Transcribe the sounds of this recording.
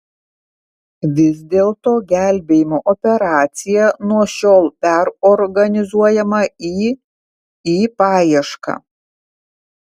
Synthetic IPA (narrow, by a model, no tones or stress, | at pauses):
ʋʲɪzʲd̪ʲeːlˠt̪oːɡʲæˑlʲbʲeːjɪmoːʔɔpʲɛɾɑːt̪sʲɪjɛnuɔʃʲoːlˠpʲɛɾɔɾɡɐnʲɪzuɔjɛmɐiː | iːpɑːjiɛʃkɑ̰ː